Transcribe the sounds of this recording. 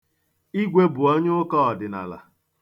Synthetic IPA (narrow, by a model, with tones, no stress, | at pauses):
i˦ɡʷe˦bʊ˨ɔ˦ɲ˦ʊ˦kɔ˦ɔ˨dɪ˨na̰˨la̰˨